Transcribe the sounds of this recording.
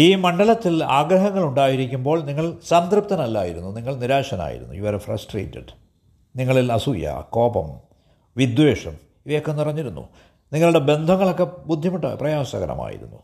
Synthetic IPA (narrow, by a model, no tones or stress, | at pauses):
iːmɐɳɖɐlɐt̪ːilaːɡɾɐɦɐŋːɐɭuɳɖaːjiɾikʲːumbo̞ːɭniŋːɐɭsɐnt̪rɨp̚t̪ɐnɐlːa̰ːjiɾunːuniŋːɐɭniɾaːʂɐna̰ːjḭɾunːṵjuʋɐɾfrɐ̰sʈrḛːtːɐ̰ɖ | niŋːɐɭilɐsujɐ̰ko̞ːbɐ̰m | ʋid̪weːʂɐm | iʋɐjokːenurɐɲːiɾunːṵ | niŋːɐɭuɽe̞be̞nd̪ʱɐŋːɐɭo̞kːe̞bud̪ʱːjɐmuʈːa̰ːprɐjaːʋɐsɐ̰ɣɐɾɐ̰ma̰ːjḭɾṵnːu